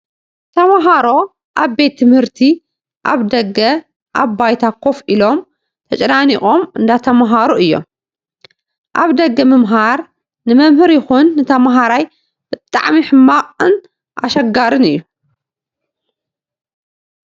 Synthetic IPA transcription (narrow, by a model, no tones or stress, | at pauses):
t̪ʰɐmaɦaɾo̞ | ʔaβbe̞t̪ʰːɨmhɨɾt̪ʰi | ʔa̰βd̪ɐɡːɐ | ʔaβbajt̪ʰakʰo̞filo̞m | t̪ʰɐt͡ʃʼɐnanixʼomɨnd̪at̪ʰɐmaɦaɾuɨjːo̞̰m | ʔa̰βd̪ɐɡːɐmɨmɦaɾ | nɨmɐmhɨɾjɪxunːɨt̪ʰɐmɦaɾaj | bɨt̪ʼa̰ʕmiħɨmːaqʼɨn | ʔa̰ʃɐɡaɾɨnɨjːu